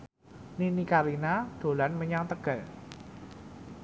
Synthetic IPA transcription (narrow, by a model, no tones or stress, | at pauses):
ninikalinad̪̥o̤lanməɲaŋt̪əɡ̥a̤l